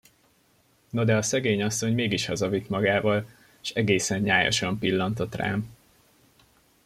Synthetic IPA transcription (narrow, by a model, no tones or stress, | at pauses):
nɒd̪ɛɒsɛɡeːɲɒsːo̞ɲmeːɡiʃhɒzɒvit̪mɒɡaːvɒl | eʃɛɡeːsɛɲɲaːjo̰ʃɒmpilːɒnt̪o̞t̪ra̰ːm